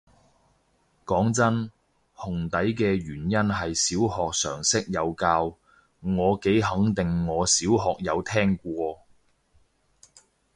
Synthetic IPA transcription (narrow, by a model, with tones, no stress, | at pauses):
kɔː˨˥ŋt͡sɐ˥n | hʊ˨˩ŋt̪ɐ˨˥jkɛː˧ɥyː˨˩njɐ˥nɦɐ˨jsiː˨˥whɔː˨k̚sœː˨˩ŋsɪ˥k̚jɐ˨˧wkaː˧w | ŋɔː˨˧ke˨˥jɦɐ˨˥ŋt̪ɪ˨ŋːɔː˨˧siː˨˥wɦɔː˨k̚jɐ˨˧wt̪ʰɛː˥ŋkʷɔː˧